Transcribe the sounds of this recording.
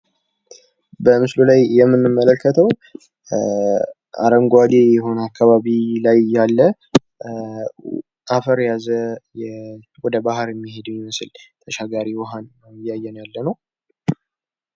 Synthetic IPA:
bəmɨslulajːɛmːɨnːɨmːələkʰːət̪ʰəw | ʔa̰ɾəŋɡʷad̪ejɛɦo̞nakːaβaβilajːalːə | ʔafəɾjazəjɛ | wɔd̪əbaɦɾjɛmːihe̞d̪mjɛmɨsɨlt̪ʰəʃaɡaɾiwɔɦanːəwjɪjːajːɛnjalːənəw

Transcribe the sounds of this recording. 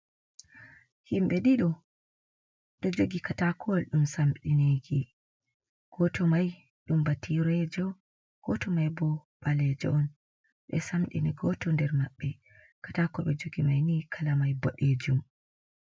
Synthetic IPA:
himɓɛɗiɗɔ | ɗɔd͡ʒoɡikatakʰɔwalɗumsamɗineɡi | ɡ̥ɔtɔmaj | ɗumbatiɾɛd͡ʒɔ | ɡ̥ɔtɔmajbɔɓalɛd͡ʒɔ̰ɔn | ɓɛ̰samɗḭniɡɔtɔndɛɾmaɓːɛ | katakɔɓɛd͡ʒoɡimajnikʰalamajbɔɗed͡ʒum

